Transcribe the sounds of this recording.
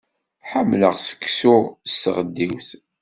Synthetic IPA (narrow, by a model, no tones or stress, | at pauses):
ħəmːləʁsə̥kːsʊsəʁəd̪ːiwθ